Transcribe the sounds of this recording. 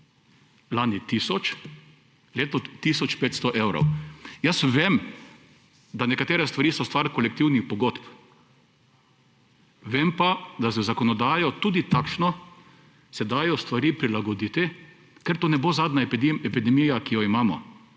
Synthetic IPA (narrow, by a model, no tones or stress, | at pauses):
laːnit̪iːsɔt͡ʃ | leːt̪ɔt̪iːsɔt͡ʃpeːt̪st̪ɔʔewɾo̰wjəsʋem | d̪anɛkat̪eːɾɛst̪ʋaɾiːsɔst̪ʋaɾkɔlɛk̚t̪iwnixpɔɡot̪p | ʋempad̪asɛzakɔnɔd̪aːjɔt̪uːd̪it̪akʃnɔ | sɛd̪aːjɔst̪ʋaɾiːpɾilaɡɔd̪iːt̪ɪ | kɛɾt̪oːnɛbozaːd̪nap̪imɛpid̪ɛmijakijɔimaːmɔ̰